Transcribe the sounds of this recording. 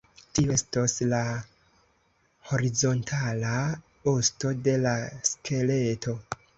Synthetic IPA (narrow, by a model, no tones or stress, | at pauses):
tioe̞stosla | ho̞ɾizo̞ntʰala | osto̞de̞laskʰe̞le̞tʰo̞